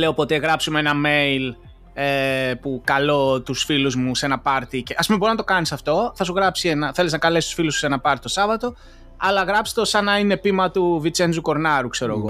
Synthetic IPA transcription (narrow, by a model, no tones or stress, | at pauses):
le̞o̞po̞t̪e̞ɣɾɐpsumee̞nɐme̞jl | epukɐlo̞t̪usfiluzmuse̞nɐpɐɾt̪iceʔɐspumebo̞ɾinɐt̪o̞kɐnisɐft̪o̞θɐsuɣɾɐpsienɐθe̞leznɐkɐlesist̪u̥filusu̥senɐpɐɾt̪i̥t̪o̞sɐvɐt̪o̞ | ɐlɐɣɾɐpst̪o̞sɐnɐine̞pimɐt̪uvit͡send͡zuko̞ɾnɐɾukse̞ɾo̰ɣo